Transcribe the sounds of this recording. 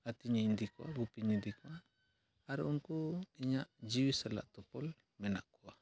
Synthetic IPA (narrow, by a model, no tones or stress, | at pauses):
at̪iɲaind̪ikwa̰ɡupiɲid̪ika | aɾuŋkuiɲaʔd͡ʒiwisala̰ʔt̪ɔpɔl | mɛnaʔkua